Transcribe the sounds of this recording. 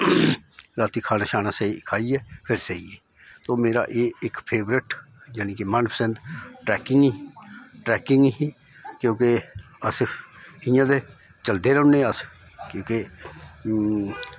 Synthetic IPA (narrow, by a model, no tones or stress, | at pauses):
ɾaːt̪iːkʰaːnaːʃaːnãːseikʰaːiːɛːpʰɪɾsəḭːeː | t̪oːmeːɾa̰ːʔeːɪkpʰeːbɾɪʈ | jaːniːkemənpʰəsə̃nd̪ʈɾɛːkɪŋɡ | ʈɾɛːkɪŋɡɦi | kjõːkeəsɪ̃jãːd̪eː | t͡ʃəld̪eːɾəʊ̃nẽːəs | kjõːke